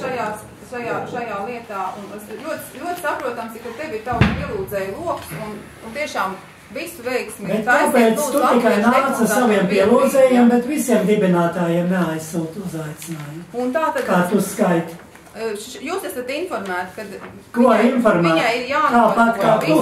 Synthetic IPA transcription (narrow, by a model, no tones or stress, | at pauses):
ʃajaː | ʃajaːʃajaːlˠiɛt̪aːunslʲuɔt̪lʲuɔt̪sapɾuɔt̪ɐmsikat̪ɛʋʲiɾt̪awkpiɛlˠuːd̪zɛːjlˠuɔksun | unt̪iɛʃaːm | ʋisʊʋɛjksmʲbɛt̪ːapeːt̪sut̪ikajnaːt̪sasaviɛmpiɛlˠuːd̪zɛːjiɛmbɛt̪ʋisiɛmd̪ibinaːt̪aːjeɛmnɛajsuːt̪uzajt̪sɪnaːjumunt̪aːt̪ad̪kaːt̪uskajt̪ | juːsæsɐt̪infɔɾmæːt̪kad̪ | kuinfɔɾmæːaiɾjaːk̪aːpat̪kaːku